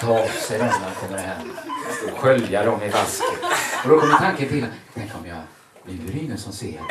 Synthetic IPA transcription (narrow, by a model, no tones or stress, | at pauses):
t̪ʰɑːsɛjɾɛnːaɾɔkʰɔmːəɾhɛmːɔɧœljaɾɔmɪvaskəɔd̪ɔkʰɔmːət̪ʰaŋkənt̪ʰɪlːat̪ʰɛŋkːəɾɔmjɑ̰ | jɪɾɪŋːənsɔmsḛːɾ